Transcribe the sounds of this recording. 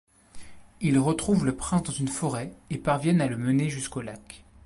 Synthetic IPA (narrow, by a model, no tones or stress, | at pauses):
ilʁət̪χuvləpχɛ̃sd̪ɑ̃zynfɔʁɛepaʁvjɛnaləməneʒyskolak